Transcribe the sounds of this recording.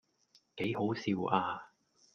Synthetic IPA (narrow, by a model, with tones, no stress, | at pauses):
ke˨˥jho˨˥wsiː˧waː˧